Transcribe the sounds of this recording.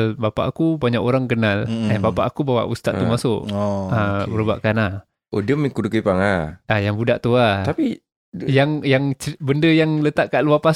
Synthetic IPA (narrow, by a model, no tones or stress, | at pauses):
lbapa̰ʔakubaɲaʔoɾaŋkənalanbapaʔakubawa̰ʔust̪at̪ːumasʊʔabəɾəba̰ʔkanah | ʔodəmikudukəpaŋaajaŋbudaʔt̪uat̪api | jaŋjaŋt͡ʃəbəndəjaŋlət̪aʔ̚kaʔluapas